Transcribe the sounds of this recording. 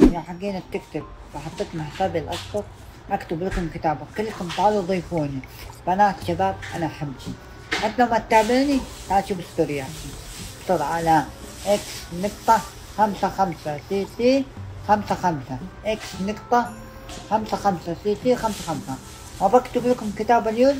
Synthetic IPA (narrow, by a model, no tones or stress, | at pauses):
jaħaɡːiːnab̚t̪ɪkt̪ɪb̚ | b̥ɑħɑt̪ˤːiːt̪ʊmħsaːbɪlʔɑsfɑt̚ˤ | ʔakt̪ɪblakʊmkɪt̪aːbakɪlːakʊmt̪ˤaʕːluðˤiːfuːnibaʔanat̪ʃabaːb̚ʔa̰naʔħabːi | ħat̪ːlawmat̪ːaːbiːni | t̪ʕaʃubɪst̪ʊɾjaanbsɑɾˤʕalaʔɪksnɪqt̪ˤɑ | xamsaxamsasiːsixamsaxamsaʔɪksnɨqt̪ˤɑ | xamsaxamsasiːt̪iːxamsaxamsa | ʔabakt̪ɪblakʊmkɪt̪aːbaljoːm